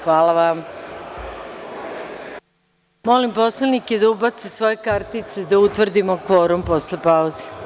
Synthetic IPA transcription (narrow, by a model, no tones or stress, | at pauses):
xʋaːlaʋam | mo̞limpo̞sleniked̪aubat̪sesʋo̞jekaɾt̪it̪se̞d̪aut̪ʋr̩d̪imokʋo̞ɾumposlepauze